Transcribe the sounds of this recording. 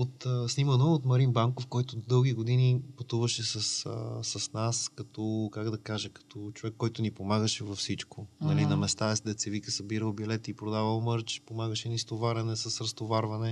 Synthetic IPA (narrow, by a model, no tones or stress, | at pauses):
ot̪əsnimənoot̪mɐɾinbaŋkofkɔjt̪ʊd̪ɤlˠɡ̟iɡod̪inipɐt̪uvəʃɛsɐsəsɐsnaskɐt̪ʰɔkaɡd̪ɐkaʒəkɐ̥t̪ɔt͡ʃovɛkːɔjt̪ʊnipomaɡəʃɛvɐfsit͡ʃkonɐlinɐmɛst̪aɛsd̪ɛt̪sɛvikəsɐbiɾəlˠbilɛt̪ipɾod̪avɐlˠmɤɾt͡ʃpomaɡəʃɛnist̪ovaɾɛnɛsɐsɾɐst̪ovaɾvɐnɛ